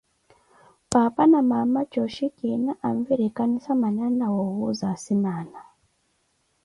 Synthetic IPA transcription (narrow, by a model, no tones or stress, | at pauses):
papanamamat͡ʃɔʃikinaʔaɱviɾikanisamananawɔwuzasinana